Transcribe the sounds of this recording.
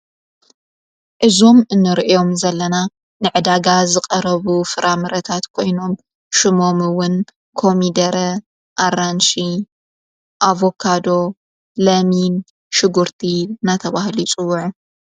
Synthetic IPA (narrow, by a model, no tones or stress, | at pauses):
ʔɨzo̞mɨnːɨɾʔijo̞mzɐlːɐna | nɨʕɨd̪aɡazɨqʼɐɾɐβufɨɾʔamɨɾɐt̪ʰat̪kʰo̞jno̞m | ʃɨmomɨwʊn | kʰo̞mid̪ɐɾɐ | ʔaɾanʃi | ʔavokʰad̪o̞ | lɐmin | ʃɨɡuɾt̪ʰiɨnat̪ʰɐβahlit͡sʼɨwːʊʕu